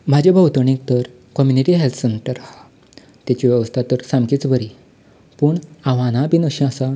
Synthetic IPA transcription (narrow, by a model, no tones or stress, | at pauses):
m̤ad͡ʑebʱəwt̪əɳ̃ĩk̚t̪əɾ | kɔmjuniʈiɦelt̪ʰsenʈəɾa | t̪jat͡ɕiʋɛʋəst̪ʰat̪əɾsamkit͡sbʱəɾi | puːɳaʋanabinəɕĩasa